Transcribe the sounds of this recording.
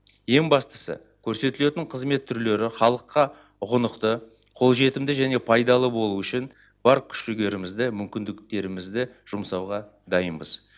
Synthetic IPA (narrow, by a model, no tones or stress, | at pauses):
je̞ŋbɑst̪ə̥sə̰ | kʲʰɵɾse̞t̪ɪle̞t̪ɪɴqʰəzme̞t̪ʰːʏɾle̞ɾɪχɑlˠəqːɑ | ʊʁənəqt̪ə | qʰo̞lˠʒe̞t̪ɪmd̪ɪʒæne̞pʰɑjd̪ɑlˠəbo̞lˠuʏʃɪn | b̥ɑɾkʲʰʏ̥ʃʒʏɡʲe̞ɾɪmɪzd̪ɪmʏmkʲɪnd̪ɪkt̪e̞ɾɪmɪzd̪ɪʒ̥ʊmsɑwʁɑ | d̪ɑjənbəz̥